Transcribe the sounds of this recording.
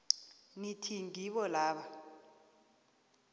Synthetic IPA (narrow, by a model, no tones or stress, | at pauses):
nitʰiŋiɓɔlaːɓa